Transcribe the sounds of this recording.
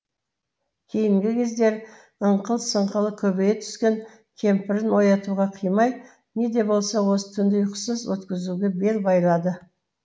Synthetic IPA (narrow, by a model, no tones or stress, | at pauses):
kʲʰe̞jɪŋɡʲɪkʲʰe̞zd̪e̞ɾ | əɴqʰəlˠsəɴqəlˠəkʲʰɵbejet̪ʰʏ̥skʲe̞ŋ | kʲʰe̞mpɪɾɪnwo̞jɑt̪uʁɑqʰijmɑj | ne̞d̪e̞bo̞lˠsɑwo̞sə̥t̪ʰʏnd̪ɪjʊqsəzwɵt̪kʲɪzuɡʲe̞be̞lbɑjlˠɑd̪ə